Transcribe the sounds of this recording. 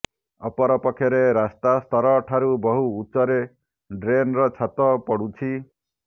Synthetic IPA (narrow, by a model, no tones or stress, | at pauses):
ɔpɔɾɔpɔkʰjɔɾeɾast̪ast̪ʰɔɾɔʈʰaɾubɔɦuːt͡ʃɔɾe | ɖɾenɾɔt͡ʃʰat̪ɔpɔɽut͡ʃʰi